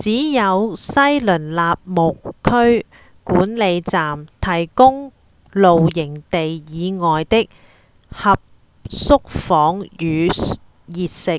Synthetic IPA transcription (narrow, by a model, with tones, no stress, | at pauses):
t͡siː˨˥jɐ˨˧wsɐ˥jlɵ˨˩nlaː˨p̚mʊ˨kkʰːɵ˥ɥ | kuː˨˥nle˨˧jt͡saː˨mt̪ʰɐ˨˩jkʊ˥ŋ | lo˨wjɪ˨˩ŋt̪e˨jjiː˨˧ŋɔː˨jt̪ɪ˥k̚ | hɐ˨p̚ | sʊ˥k̚fɔː˨˥ŋjyː˨˧ | jiː˨t̚sɪ˨k̚